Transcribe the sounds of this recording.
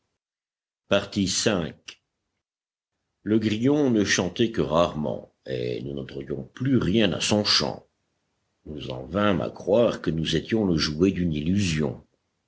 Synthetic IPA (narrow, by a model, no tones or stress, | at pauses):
paʁt̪isɛ̃k | ləɡʁijɔ̃nəʃɑ̃t̪ɛkəʁaʁmɑ̰̃ | ḛnunɑ̃t̪ɑ̃d̪jɔ̃plyʁjɛ̃na̰sɔ̃ʃɑ̰̃ | nuzɑ̰̃vɛ̃ma̰kχwaʁkənuzet̪jɔ̃ləʒued̪ynilyzjɔ̰̃